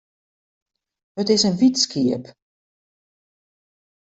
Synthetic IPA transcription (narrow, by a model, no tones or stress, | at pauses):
hətɪsənʋitskʰiəp